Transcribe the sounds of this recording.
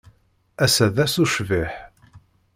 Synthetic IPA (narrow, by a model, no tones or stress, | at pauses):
æsæðæsuʃviħ